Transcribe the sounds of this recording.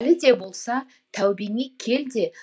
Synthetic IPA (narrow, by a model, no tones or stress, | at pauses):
lɪd̪e̞bo̞lˠsɑ | t̪ʰæwbenijkʲʰe̞ld̪e̞